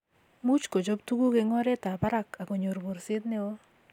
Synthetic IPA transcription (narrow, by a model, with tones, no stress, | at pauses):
mu˦t͡ʃko˨d͡ʒo˦b̚t̪u˦ɡu˦ɡe˨˦ŋɔ˦ɾɛ˦t̪a˨ba˦ɾa˦ka˨ko˨ɲo˨ɾbo˨ɾsɪ˦d̪nɪ˦o˦